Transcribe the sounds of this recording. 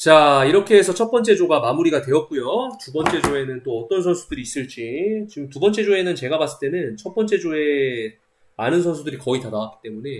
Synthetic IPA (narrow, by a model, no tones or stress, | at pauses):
t͡ɕaiɾʌkʰe̞ːsʰʌt͡ɕʰʌt̚p͈ʌnt͡ɕ͈e̞d͡ʑoɡamamuɾiɡatwe̞jʌt̚k͈ujotubʌnt͡ɕ͈e̞d͡ʑoe̞nɯnt͈oʌt͈ʌns̬ʰʌnsʰudɯɾiːs͈ɯɭt͡ɕ͈it͡ɕiɯmtubʌnt͡ɕ͈e̞d͡ʑoe̞nɯnt͡ɕe̞ɡabas͈ɯ̥ɭt͈e̞nɯnt͡ɕʰʌp͈ʌnt͡ɕ͈e̞d͡ʑoe̞ | manɯnsʰʌnsʰudɯɾikʌitadawak͈i̥t͈e̞mune̞